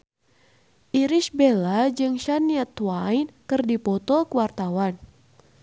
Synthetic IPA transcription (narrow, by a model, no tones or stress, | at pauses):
ʔiɾisbelad͡ʒɨŋʃaniat̪wajnkɨrdipɔt̪ɔkuwart̪awan